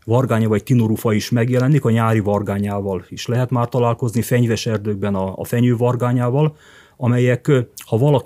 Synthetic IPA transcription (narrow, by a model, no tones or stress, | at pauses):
vɒrɡaːɲɒvɒct̪inoɾufɒiʃmɛɡjɛlɛnikɒɲaːɾivɒrɡaːɲaːvɒliʃlɛɦɛt̪maːrt̪ɒlaːlko̞znifɛɲvɛʃɛrd̪øɡ̚bɛnɒ̰ːfɛɲøːvɒrɡaːɲaːvɒl | ɒmɛjɛkhɒvɒlɒ